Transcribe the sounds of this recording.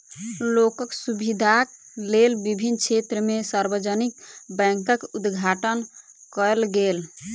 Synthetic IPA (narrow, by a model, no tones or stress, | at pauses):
lokəksubid̪ʱaklelbibʱint͡ʃʰet̪ɾəmesaɾbəd͡ʒənikbɛ̃ŋkəkud̪ɡʱaʈən | kəlɡel